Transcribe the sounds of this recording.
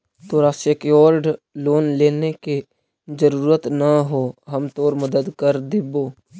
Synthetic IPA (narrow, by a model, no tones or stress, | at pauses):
t̪oːɾaːsekeɔːɾɖloːnleːneke | d͡ʒəɾuːɾət̪nəɦoɦəmt̪oːɾməd̪əd̪kəɾd̪eboː